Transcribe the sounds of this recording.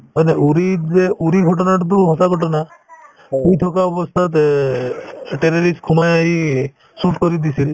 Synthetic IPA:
əneuɾid͡ʒeuɾikʰɔʈɔnaʈt̪uɦɔt̪akɔʈɔna | pujt̪ʰɔkaɔbɔst̪ʰat̪ | ʈeɾɔɾisʈkʰumajai | suʈkɔɾid̪isil

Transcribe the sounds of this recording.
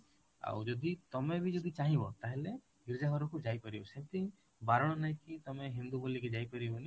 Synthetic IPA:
a̰wd͡ʒɔd̪it̪ɔmebid͡ʒɔd̪it͡ʃaɦĩbɔt̪aɦele | ɡiɾd͡ʒaɡɔɾɔkud͡ʒajpɔɾibɔset̪i | baɾɔɽ̃ɔnaj̃kit̪ɔmeɦind̪uboliked͡ʒajpɔɾibɔni

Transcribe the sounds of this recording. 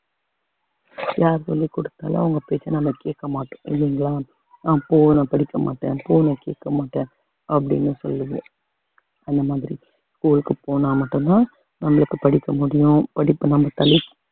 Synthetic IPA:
jaːɾsɔ̰lːikʊɽɯt̪ːa̰ːlɐ̰ʊŋɡɐpɪɾet͡ʃːɐnɐmːɐkeːʈkːɐmaːʈːʊ̥̃ɪ̰lːiŋɡɐɭaː | nãːpoːnɐpɐɽɪkːɐma̰ːʈːḛ̃ːpoːnɐkeːʈkːɐmaːʈːẽː | ʔɐpːɐɽɪ̰nːɯsɔ̰lːɯʋɯ | ɐnd̪ɐmaːðɪɾi | skuːlɯkːɯpoːnaːmɐʈːɯnnaː | nɐmːɐɭɯkːɯpɐɽɪkːɐmʊɽɪjʊ̃pɐɽɪpːɯnɐmːɐt̪ɐlɪkː

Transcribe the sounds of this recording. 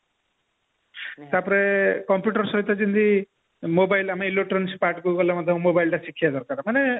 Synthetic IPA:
t̪apɔɾekɔmpjuʈɔɾsɔɦit̪ad͡ʒind̪i | mobajlamailoʈɾɔnspaʈɡuɡɔlamɔd̪ʱjɔmmobajlʈasikʰijad̪ɔɾkaɾamane

